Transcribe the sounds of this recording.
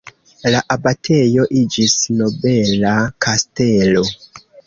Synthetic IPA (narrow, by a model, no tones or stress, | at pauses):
laʔabatʰe̞jo̞ʔid͡ʒisno̞be̞lakʰaste̞lo̞